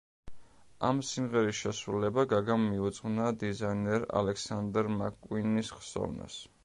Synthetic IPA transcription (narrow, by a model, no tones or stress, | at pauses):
amsimʁɛɾisʃɛsɾulɛbaɡaɡamiut̪zsʼqʁvnad̪izajnɛɾa̰lɛksand̪ɾmakʼwinisχsɔ̰vna̰s